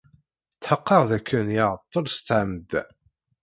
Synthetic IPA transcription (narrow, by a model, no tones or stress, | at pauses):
t͡s̪ːħəqːɑʁðækʰːənjəʕət̪ˤːəlst̪ːʕamd̪